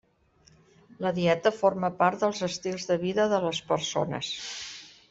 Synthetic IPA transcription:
ləðiɛt̪əforməpaɾt̪d̪əlˠzəst̪ilˠzðəβiðəðələspəɾso̰nə̰s

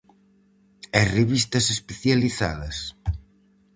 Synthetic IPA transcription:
asreβist̪ɐsespeθjaliθa̰ðɐs

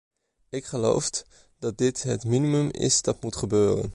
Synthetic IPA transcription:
ɪkχəlo̰wf | dɑt̚dɪtɦətminimɵmɪ̰sdɑtmutχəbøːrə̰n

